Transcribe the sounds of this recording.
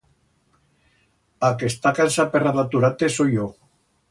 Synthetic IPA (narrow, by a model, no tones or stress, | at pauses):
akest̪akansaperaðat̪uɾat̪esojo